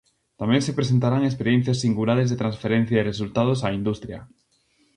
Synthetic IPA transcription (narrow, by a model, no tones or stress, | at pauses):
t̪amẽŋsepɾes̬ent̪aɾaŋespeɾjen̟θjasːiŋɡulaɾezðet̪ɾansfeɾẽn̟θjaeresult̪aðosaind̪ust̪ɾjɐ̰